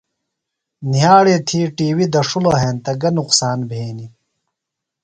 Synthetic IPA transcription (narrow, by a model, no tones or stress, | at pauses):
nijaːɽeːt̪ʰiːʈiːwid̪ɐʂuloɦeːnt̪ɐɡɐnuqsaːnbʱeːni